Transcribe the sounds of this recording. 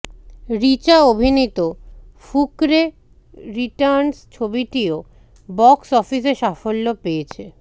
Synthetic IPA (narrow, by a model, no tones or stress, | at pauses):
ɾit͡ɕaobʱinit̪o | fukɾe | ɾiʈaɾnst͡ɕʰobiʈio | bɔksɔfiseʃafolːopeet͡ɕʰe